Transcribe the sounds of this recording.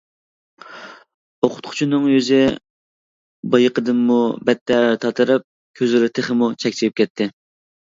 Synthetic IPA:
oqʰʊ̥t̪̚qʰʊ̥t͡ʃʰunɨŋjøzɪ | bɑjəqəd̪ɨnmubɛt̪ʰːɛɾt̪ʰɑt̪ʰɨɾɨp̚ | kʲʰøzyɾɪt̪ʰɨχəmut͡ʃʰɛkʲt͡ʃʰiɾɪp̚ʲkʲɛt̪ʰːɪ

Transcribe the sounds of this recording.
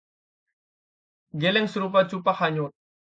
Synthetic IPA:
ɡelɛŋsəɾup̬at͡ʃupahaɲʊ

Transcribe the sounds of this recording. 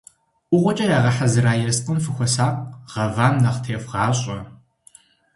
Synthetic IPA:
ʔʷʊʁʷɔt͡ʃʼɐjaːʁɐħazɨɾaːjɛsqʼənfɨxʷɔsaːqʁ̥ɐvaːmnɐqtʰeːfʁɑːɕʼɐ

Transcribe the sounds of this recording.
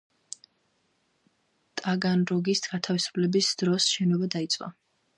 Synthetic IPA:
t̪ʼaɡanɾɔɡist̪ʰɡat̪ʰavisu̥pʰlɛbisd̪̥ɾɔsʃɛnɔbad̪ait̪sʼwʼa̰

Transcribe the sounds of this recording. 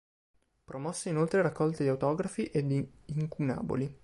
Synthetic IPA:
pɾomɔsːeinolt̪ɾeɾakːɔlt̪ed̪iawt̪ɔːɡɾafiʔed̪iː | ŋkuna̰ːbo̰li

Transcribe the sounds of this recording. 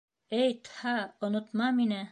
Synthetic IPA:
ɘjt̪hɑŏnŏt̪mɑminæ

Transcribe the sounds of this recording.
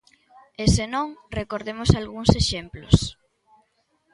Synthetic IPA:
esenõŋrekoɾðemosalɣuŋseʃemplo̰s

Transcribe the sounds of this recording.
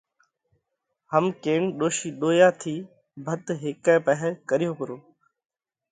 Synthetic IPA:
həmkeːɳɗoːʃiːɗoːjaːt̪ʰiː | bʱət̪ɦeːkɛ̃ːpəɦɛkəɾɪjõːkəɾoː

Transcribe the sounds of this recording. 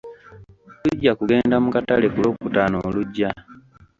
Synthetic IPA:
luɟːakuɡe̞ːndamukatale̞kulo̞ːkutaːnoːluɟːa

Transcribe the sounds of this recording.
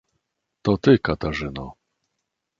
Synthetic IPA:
t̪ɔt̪ɘkat̪aʐɘnɔ

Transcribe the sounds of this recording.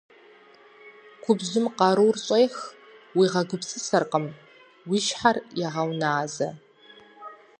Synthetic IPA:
kʷʰʊbzʊmqɑɾuwrɕʼejx | wiːʁɐɡʷʊpsɨsɐrqəm | wiʃħarjɛʁɐwnaːzɐ

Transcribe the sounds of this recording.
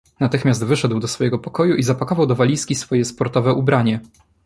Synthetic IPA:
nat̪ɘxmʲjazd̪vɘʂɛd̪wd̪ɔsfɔjɛɡɔpɔkɔjuʔizapakɔvawd̪ɔvalʲiskʲisfɔjɛspɔɾt̪ɔvɛʔubɾaɲɛ

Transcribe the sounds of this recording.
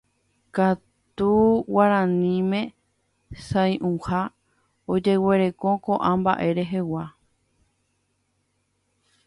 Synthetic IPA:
ka | t̪uwaɾãnĩmẽ̞ | sãj̃ʔũha | od͡ʒe̞we̞ɾe̞ko̞koʔãmba̰ʔe̞ɾe̞ɦe̞wa

